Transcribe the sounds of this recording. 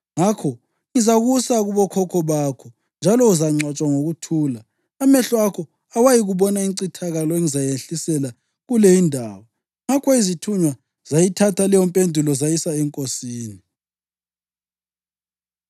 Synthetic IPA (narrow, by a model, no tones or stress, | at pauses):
ŋakʰɔ | ŋizaɣusaɣuβɔkʰɔkʰɔβakʰɔ | nd͡ʒʱalɔuzaŋ͡ǀat͡ʃʼwaŋoɣutʰuːlaː | mɛɬɔakʰɔ | awajiɣuβɔnaiǀitʰaɣalɔeŋizajenɬisɛla | ɣulejindʱa̰ːwɔ | ŋakʰɔizitʰuɲwa | z̥ajitʰatʰalɛjɔmpʼendʱulɔzajisaɛŋkʼosiːni